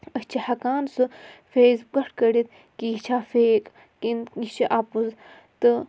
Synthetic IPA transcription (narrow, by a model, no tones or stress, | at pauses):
əst͡ʃʰihɐkaːnsɨfeːzɡɐʈʰkɐɽit̪̚ | kiːt͡ʃʰaːfeːk | kinit͡ʃiʔapuz | t̪ɨ